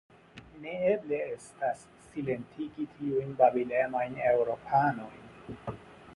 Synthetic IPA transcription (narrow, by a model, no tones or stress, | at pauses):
nɛeblɛstas | silentʰikitʰiwinbabilɛmainɛuɾɔpʰanɔ